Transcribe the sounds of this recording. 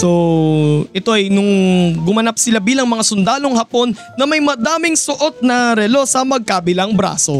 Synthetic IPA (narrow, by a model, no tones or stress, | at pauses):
so̞ | ʔɛt̪o̞ʔɐjnʊŋɡʊmɐnap̚sɪlabiːlɐŋmɐŋasʊnd̪aːlo̞ŋhɐpo̞nːɐmɐjmɐd̪aːmɪŋsʊʔo̞t̪̚nɐɾɛlo̞sɐmɐɡ̚kabɪlɐŋbɾa̰ːso̞